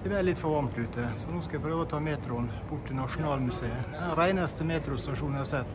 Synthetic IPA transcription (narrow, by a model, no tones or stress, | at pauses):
d̪ɛbælɪt̪ːfɔʋɑmt̪ʉːt̪əsɔnuːskɑɪpʰɾøːʋəɔt̪ʰɑːmeːt̪ɾʊnbʊʈːɪnɑʂʊnɑːlmʉseːəɾæɪnɑst̪əmeːt̪ɾʊst̪ɑʂuːnhɑɾsɛt̪ː